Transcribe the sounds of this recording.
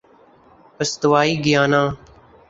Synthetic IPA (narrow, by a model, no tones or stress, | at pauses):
pəst̪ʊʋaːiːɡɪjaːnãː